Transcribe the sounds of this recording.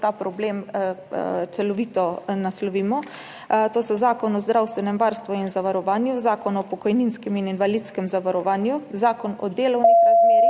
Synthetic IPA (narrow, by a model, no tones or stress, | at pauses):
t̪aːpɾɔbleːm | t̪sɛlɔʋiːt̪ɔnaslɔʋiːmɔ | t̪oːsɔzaːkɔnɔzd̪ɾawst̪ʋɛnɛmʋaːɾst̪ʋɔinzaʋaɾɔʋaːnjuzaːkɔnɔpɔkɔjninskɛmininʋalit̪skɛmzaʋaɾɔʋaːnjuzaːkɔnɔ̰d̪eːlɔwnixɾazmeːɾi